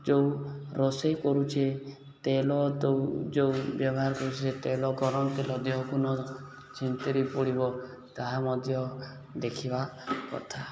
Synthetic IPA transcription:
d͡ʒewɾɔsejkɔɾut͡ʃʰe | t̪elɔt̪d͡ʒewbjɔbɔɦaɾɔkɔɾut͡ʃʰiset̪elɔɡɔɾɔnt̪elɔd̪eɦɔkunɔ | t͡ʃʰint̪eɾipuɽibɔ | t̪aɦamɔd̪ʱjɔ | d̪ekʰibakɔ̰t̪ʰa

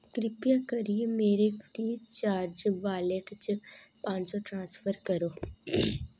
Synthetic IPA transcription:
kɾɪpjakɐɾiemeːɾefɾiːt͡ʃaːɾd͡ʒʋaːlekt͡ʃpãːɲt͡ʃoʈɾãːsfʰəɾkəɾoː

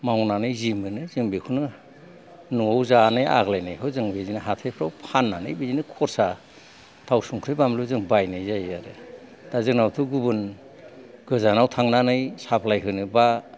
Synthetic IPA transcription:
mawnanɯjzimɯnɯzɯmbikʰunɯ | nuawzanɯja̰ɡlajnajɦɯzɯŋbezinɯɦatʰejpʰɾawpʰanːanɯjbizinɯkʰɔɾsa | tʰawsuŋkʰɾɯjbamlɯzɯŋbajnɯjzajaɾɯ | d̥azɯk̚nawtʰuɡubɯn | ɡ̥ɯzanawtʰaŋnanɯjsapʰlajɦɯnɯba

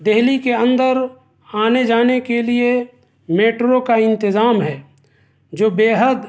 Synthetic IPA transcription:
d̪eɦlikeə̃nd̪əɾ | aːned͡ʒaːnekelie | meːʈɾokaɪ̃nt̪ɪzaːmɦɛː | d͡ʒoːbeːɦəd̪

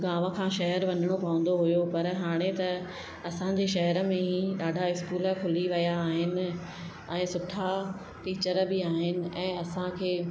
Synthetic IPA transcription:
ɡaːʋəkʰãːʃɐɦəɾʋɐɲəɽ̃opɐʋə̃n̆d̪oɦujopɐɾɦaːɽ̃et̪ɐ | ɐsãɲd͡ʑeʃɐɦəɾə̆mẽɦĩɗaːɖʱaɪskuːlə̆kʰʊliʋɐjaːɦɪnɪ̆ | ɛ̃ːsʊʈʰa | ʈiːt͡ɕəɾbɪaːɦɪnɪ̆ɛ̃ːɐsãkʰeː

